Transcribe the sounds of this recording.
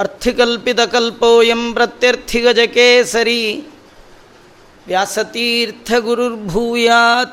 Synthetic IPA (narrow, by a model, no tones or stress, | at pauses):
ɐɾt̪ʰikɐlpit̪ɐkɐlpoːjɐmpɾɐt̪jɐɾt̪ʰiɡɐd͡ʒɐkeːsɐɾiː | ʋjaːsɐt̪iːɾt̪ʰɐɡuɾuɾbʱuːjaːt̪